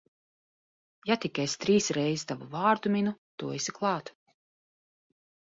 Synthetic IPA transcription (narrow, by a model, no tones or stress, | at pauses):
jat̪ikʲɛjst̪ɾiːsɾɛjzi̥st̪avuvaːɾd̪uminut̪uɔesʲiklˠɑːt̪